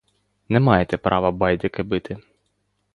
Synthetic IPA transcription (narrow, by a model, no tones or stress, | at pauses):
nɛmɑjet̪ɛpɾʔɑ̰ʋɐbɑjd̪ʲɪkɪbɪt̪ʰɪ